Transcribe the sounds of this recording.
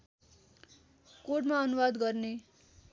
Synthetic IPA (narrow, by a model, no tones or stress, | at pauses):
koʈmaʌnuwad̪ɡʌrne